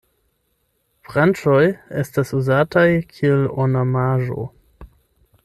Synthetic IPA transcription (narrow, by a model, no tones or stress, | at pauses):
fɾant͡ʃo̞je̞stasuzatajkʰielonamaʒo̞̰